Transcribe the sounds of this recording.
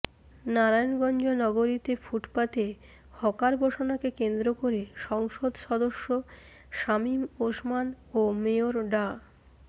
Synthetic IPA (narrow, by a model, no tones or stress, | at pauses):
naɾajnɡɔnd͡ʑonɔɡoɾit̪efʰuʈpat̪e | hɔkaɾbʱoʃonakekend̪ɾokoɾeʃɔŋʃod̪ʃɔd̪oʃːo | ʃamimoʃman | omeoɾɖa